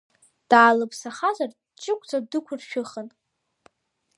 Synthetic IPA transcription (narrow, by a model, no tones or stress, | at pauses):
d̥aːlɨpʰsaχazar | t͡ʃʼɪkʷʼd͡zʼadɨkʷʰʊrʃᶣʊχən